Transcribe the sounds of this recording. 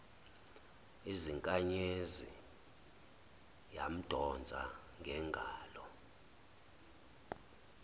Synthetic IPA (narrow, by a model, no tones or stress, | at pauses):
iziŋkʼaɲezḭ | jam̩d̥ʱɔnd͡zʱa̰ | ŋɡʱɛŋɡʱaːlɔ